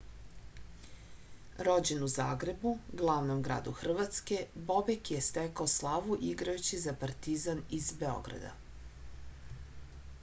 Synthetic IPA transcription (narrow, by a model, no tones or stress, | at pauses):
ɾo̞d͡ʑenuzaːɡɾe̞buɡlˠaʋnomɡɾa̰ːd̪uxr̩ʋat̪ske̞bo̞bekjest̪ɛkaoslˠaʋuʔiɡɾajut͡ɕizapaɾt̪izanizbeo̞̰ɡɾa̰d̪a̰